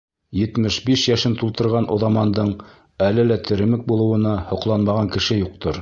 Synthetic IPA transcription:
jɘ̆t̪mɘʃbiʃjæʃɘnt̪ulˠt̪ɤ̆ɾʁɑnʔŏðɑmɑnd̪ɤɴ | ælɘlæt̪ʰɘ̆ɾɘ̆mɘk̚bulˠɤ̆wɤ̆nɑhŏqlˠɑnmɑʁɑŋkɘ̆ʃɘjuq̚t̪ɤɾ

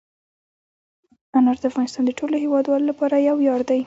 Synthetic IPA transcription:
anaɾd̪əafɣɑnɪst̪ɑnd̪əʈʰoloɦewɑd̪wɑlolapɑɾajawjɑɾd̪aj

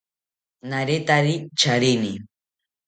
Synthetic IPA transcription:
naɾet̪aɾit͡ʃaɾɪni

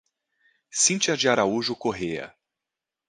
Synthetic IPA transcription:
sĩt͡ʃɪɐd͡ʒɪaɾauʒʊkoɦejɐ̰

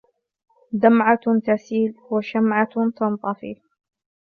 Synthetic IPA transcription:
d̪amʕat̪asiːlwaʃamʕat̪ɑnt̪ˤɑfḭ

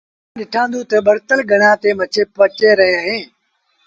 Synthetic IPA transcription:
ãɗɪʈʰãːnd̪ũːt̪əɓəɾt̪əlɡʱəɳãːt̪eːmət͡ʃʰeːpət͡ʃeːɾəɦeaɦẽː

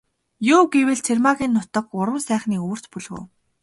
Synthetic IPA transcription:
jʊːɡewɘ̆ɮt͡sʰermaɣʲiːnːʊt̪ə̆kʊɾwə̆ːsæːχniːuw̆r̥t̪puɮɣṵːw

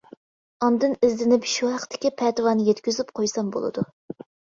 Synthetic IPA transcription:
ɑnd̪ɨnɪzd̪ɪnɪpʃuhæqt̪ʰːɪ̥kʲipʰɛt̪ɨwɑnɨjɛt̪kʲyzypqʰojsɑmbo̰lˠɨ̰d̪u

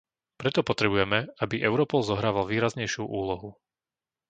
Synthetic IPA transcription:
pɾɛt̪ɔpɔt̪ɾɛbujɛmɛabiʔɛʊɾɔpɔlzɔɦɾaːʋalʋiːɾazɲɛjʃuʔuːlɔɦu

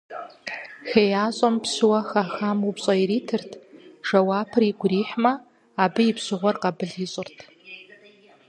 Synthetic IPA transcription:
xejaːɕʼɐmpsɨwɐxaːxaːmupɕʼɐiɾiːtʰɨrtʰʐ̥ɐwaːpʰɨriɡʷʊriːħmɐ | aːbɨjɪpɕɪʁʷɔrqɐbɨɮiɕʼɪrtʰ

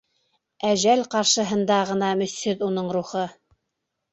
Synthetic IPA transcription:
æʒælqɑɾʃɤ̆ɦɤ̆nd̪ɑʁɤ̆nɑmɵ̆θhɵðunɤɴɾuχɤ

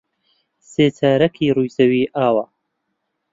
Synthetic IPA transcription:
seːt͡sʰaːɾɐkʰiːrujzɐwiːʔaːwa

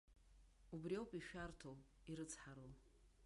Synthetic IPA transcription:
ubriowpʼiʃᶣartʰow | iɾɨt͡sʰħaɾol

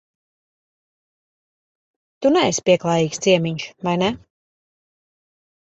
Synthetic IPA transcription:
t̪unɛesʲpʲiɛklˠaːjiːkst̪siɛmiɲʃvajnɛ

